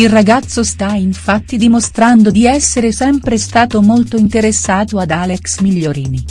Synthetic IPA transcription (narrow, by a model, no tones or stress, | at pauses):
ilraɡat̪sːost̪aiɱfat̪ːid̪imost̪ɾand̪od̪iɛsːeɾesɛmpɾest̪aːt̪omolt̪oint̪eɾesːaːt̪oad̪aːleksmiʎːoɾiːni